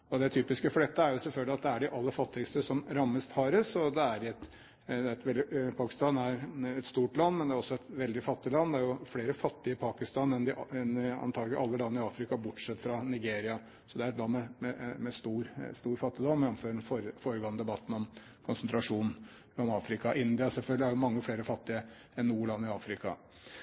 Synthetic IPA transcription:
ɔd̪ɛt̪ʰyːpɪskəfɔɖ̪ɛt̪ːəæɾjʊsɛfœɡ̪ɪɑt̪̚d̪ɛæɖɪʔɑlːəfɑt̪ːɪəst̪əsɔmɾɑmːəst̪hɑːɾəsɔd̪ɛæɾɪɛt̪ | d̪ɛt̪ʋɛld̪ɪpʰɑːkɪ̥st̪ɑːnæɾɛt̪st̪uːʈlɑnːmɛnd̪ɛæɾɔsːɔɛt̪ʋɛld̪ɪfɑt̪ːɪlɑnːd̪ɛæɾjʊfleːɾəfɑt̪ːɪəpʰɑːkɪst̪ɑːnɛnd̪ɪɛnɑ̰nʰɑːɡlɪʔɑlːəlɑnːəɪɑːfɾɪkɑbʊʈʂɛt̪ːfɾɑnɪɡeːɾɪɑ | sɔd̪ɛæɾɛt̪lɑnmɛmɛmɛst̪uːɾst̪uːɾfɑt̪ːɪd̪ɔmːjɑnføːɾnfɔɾfoːɾəɡoːnəd̪ɛbɑt̪ːn̩ɔm | kʰʊnsnt̪ɾɑʂuːnn̩ | ɔmɑːfɾɪkɑʔɪnd̪ɪɑsɛlfœɡlɪhæɾjʊmɑŋːəfɽeːɾəfɑt̪ːɪə | ɛnːuːɭɑnːɪɑːfɾɪkɑ̰

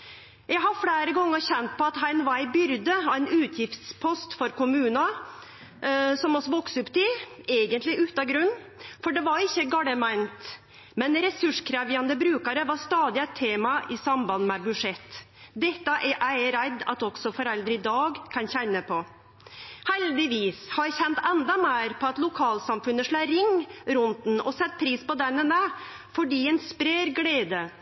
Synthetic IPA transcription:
jæɡɦɑɾfɽeːɾəɡɔŋːəɾçɛnt̪̚pɔɑt̪hæɪnʋæɪbʏɾd̪əɔæɪnʉːt̪ʰjɪft̪spʰɔst̪fɔɾkʊmʉːnɑ | sɔmɔsɔʋɔksʉpːt̪ɪ | eːɡənt̪lɪʔʉːt̪ɑɡɾʉnː | fɔɖɛʋɑɾɪçːəɡɑɽəmæɪnt̪ | mɛnɾɛsʉʂkʰɾæʋɪɑnd̪əbɾʉːkəɾəʋɑɾst̪ɑːd̪ɪɛt̪ʰːeːmɑʔɪsɑmbɑnmɛbʉʂɛt̪ː | d̪ɛt̪ːɑʔɛɾʔæɪɾæd̪ɑ̰t̪ɔɡ̥sɔfɔɾɛld̪ɾəɪd̪ɑːɡkʰɑnçænːəpʰɔ | hɛld̪ɪʋiːshɑjçɛnt̪ɛnd̪ɑmæːɾpʰɔɑt̪lʊkʰɑːlsɑmfʉnəʂɭæːɾɪŋːɾʊnt̪n̩ɔsɛt̪̚ːpʰɾiːspɔd̪ɛnənæ | fɔɖiːɛnspɾeːɾɡleːd̪ə

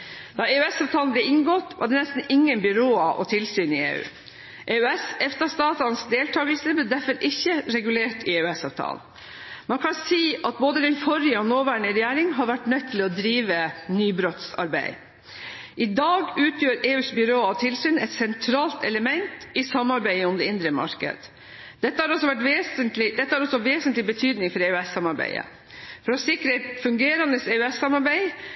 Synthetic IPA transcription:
d̪̥ɑːeːʉɛsɑːʋt̪ʰɑːnblɛɪŋɡɔt̪ʋɑ̰ɖɛnɛst̪n̩ɪŋːənbʏɾoːɑʔɔ̰t̪ʰɪlsyːnɪḛːʉ̰ː | ʔeːʉɛsɛft̪ɑst̪ɑːt̪ɑnsd̪eːlt̪ʰɑːɡəlsəblɛd̪æɾfɔɾʔɪçːəɾɛɡʉleːʈɪeːʉɛsɑ̰ːʋt̪ʰɑ̰ːln | mɑnkʰɑnsiːʔɑt̪̚boːd̪əd̪ɛnfɔɾɪəɔnoːʋæːɳəɾɛjæːɾɪŋɦɑɾʋæʈnœt̪ʰːɪlɔd̪ɾiːʋənyːbɾɔt̪sɑ̰ɾbæ̰ɪ | ʔɪd̪ɑːɡʉːt̪ʰjøːɾeːʉːsbʏɾoːɑʋt̪ʰɪlsyːnɛt̪sɛnt̪ʰɾɑːlt̪ɛləmɛnt̪ɪsɑmːɑɾbæɪəʊmd̪ɛɪnd̪ɾəmɑ̰ɾkə̰d̪ | d̪ɛt̪ːəhɑɾɔsɔʋæʈʋeːsənt̪lɪd̪ɛt̪ːəhɑɾɔsɔʋeːsənt̪lɪbət̪ʰyːd̪nɪŋfɔɾeʉɛsːɑmɑɾbæ̰ɪə̰ | fɔɾɔsɪkɾəæt̪fʉŋɡeːɾɑnd̪əsɛʉɛsːɑmɑɾbæɪ

